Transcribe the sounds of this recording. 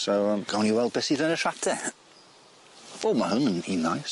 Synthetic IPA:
sowəmɡ̥awniwɛlˠd̚bɛsiðənəʃatʰɛ | oːmahʊnəninːajs

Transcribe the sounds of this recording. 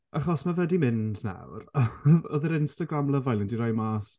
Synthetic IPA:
ʔaχɔsmavɛdimɪndna̰wraɔðiɾɪnstaɡramlˠəvajlˠɪndiɾɔjmaːs

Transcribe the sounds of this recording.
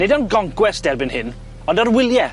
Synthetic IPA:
nedɔnɡɔŋkwɛsd̥ɛrbɪnhɪn | ɔndɔrwɪlˠjɛ

